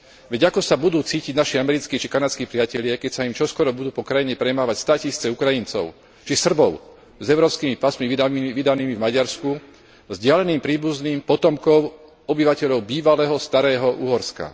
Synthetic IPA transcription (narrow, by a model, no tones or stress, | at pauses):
ʋɛɟakɔsabud̪uːt͡siːciɟnaʃiamɛɾit͡skiːt͡ʃikanat͡skiːpɾɪacɛʎɪakɛcsaimt͡ʃɔskɔɾɔbud̪uːpɔkɾajiɲɛpɾɛmaːʋacst̪aːcisiːt͡sɛukɾajint͡sɔ̰ʊ | t͡ʃisr̩bɔʊ | zɛʊɾɔːpskiːmipasmiʋid̪aniːmivmaɟaɾsku | zɟɪalɛniːmpɾiːbuzniːmpɔt̪ɔmkɔʊ | ɔbiʋacɛʎɔʊbiːʋalɛːɦɔst̪aɾɛːɦɔʔuɦɔɾska̰